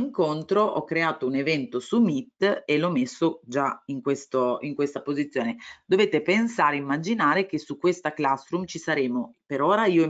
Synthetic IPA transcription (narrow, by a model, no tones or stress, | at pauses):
iŋkont̪ɾoʔɔ̰kːɾeaːt̪ounevɛnt̪osumit̪ːelɔmːesːod͡ʒaiŋkwest̪oiŋkwest̪apozit̪sːjoːned̪oveːt̪epensaːɾeimːad͡ʒinaːɾek̟esukːwest̪aklast̪ɾumt͡ʃisaɾeːmopeɾoːɾaiːo